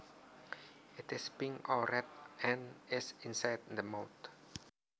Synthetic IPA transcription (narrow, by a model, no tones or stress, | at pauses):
ɪt̪ɪspĩŋɔɾɛt̪̚ɛ̃nɪsĩnsajd̚dəmawt̪